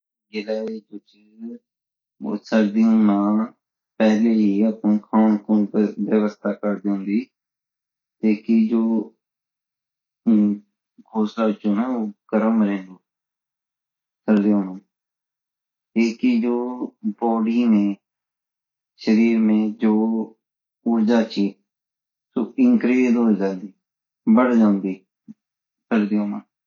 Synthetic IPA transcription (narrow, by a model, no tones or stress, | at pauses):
ɡɪlaːed͡ʒoːt͡ʃe | səɾd̪ĩmãː | pɛɦleɦiːəpũːkʰaːnkʊːnʋəʋəst̪ʰaːkəɾd̪eʊ̃ːnd̪iː | t̪eːkid͡ʒoː | kʰoːslaːʊt͡ʃõːnɛːoːkəɾəmɾẽːnd̪oː | səɾd̪eõːnəː | eːkiːd͡ʒoːbɔːɽiːnẽː | ʃəɾiːɾmẽːd͡ʒoː | uɾd͡ʒaːt͡ʃiː | soːɪŋkɾeːd̪ɦoːiːd͡ʒãːnd̪iː | bəɽd͡ʒãːnd̪iː | səɾd̪eːõːmaː